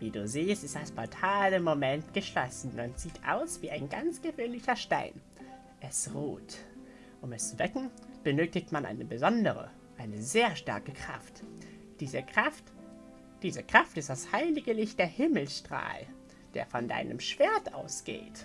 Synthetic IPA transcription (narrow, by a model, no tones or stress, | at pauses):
viːduːziːstɪstd̥asfɔtʰaːləmomɛntɡ̥əʃlɔsn̩manz̥iːtʰʔa̰ʊsv̥iːaɪnɡant͡sɡ̥əvøːnlɪçɐʃta̰ɪn | ʔɛsʁoːt | ʔʊmɛst͡suv̥ɛkŋ̩b̥ənøːtɪçtmanʔa̰ɪnəbəzɔndəʁə̰ | ʔaɪnəzeːɐʃta̰ɐkəkʁ̥a̰ft | d̥iːəʁaft | d̥iːzəkʁ̥aftɪstd̥ashaɪlɪɡəlɪçt̚d̥eːɐhɪml̩sʃtʁ̥a̰ːl | d̥ḛːɐfɔnda̰ɪnʔə̰mʃv̥eːɐtʔa̰ʊsɡ̥ḛːt